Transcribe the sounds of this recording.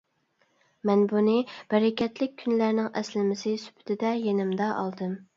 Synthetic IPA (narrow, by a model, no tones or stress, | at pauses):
mɛnbunɨb̥ɛɾɛkʲʰɛt̪lɪk̚ʲʰːynlæɾnɪŋʔɛslɪmɪsɪsy̥pʰɪ̥t̪ʰɪd̪ɛjenɪmd̪ɑʔɑ̰lˠd̪ɨm